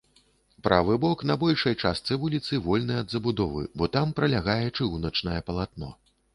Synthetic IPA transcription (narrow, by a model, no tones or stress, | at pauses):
pɾʔavɨbɔkn̪ɐbɔlʲʂɐjt͡ʂast̪sɨvulʲit̪sɨvɔlʲnɐjɐd̪zɐbud̪ɔvɨ̰bɔt̪ampɾɐlʲaɣajɛt͡ʂɨwnɐt͡ʂnɐjɛpɐlˠat̪nɔ̰